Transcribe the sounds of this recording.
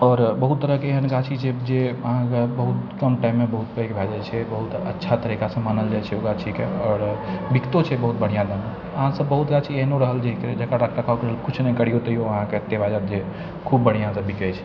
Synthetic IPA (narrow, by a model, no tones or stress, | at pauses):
ɔːɾbəɦut̪ːəɾəɦkeeɦənɡat͡ʃʰid͡ʒed͡ʒeəɦãkebəɦut̪kəmʈaimːebəɦut̪̚pəekbʱad͡ʒat͡ʃʰɛbəɦut̪ə̰tːʃʰat̪əɾikasə̃manəld͡ʒaɛt͡ʃʰɛoɡat͡ʃʰikeɔːɾbikt̪ot͡ʃʰɛbəɦut̪̚bəɽ̤ijãd̪əme | əɦãsəbːəɦut̪ɡat͡ʃʰieɦnoɾəɦəld͡ʒeɦikɾed͡ʒəkaɾak̚ʈakʰaokeɾəlkut͡ʃʰnəikəɽ̤ijot̪əijoəɦãkeət̪ːjebʱad͡ʒat̪d͡ʒe | kʰubːəɽ̤ijãsəbbikɛt͡ʃʰɛ̥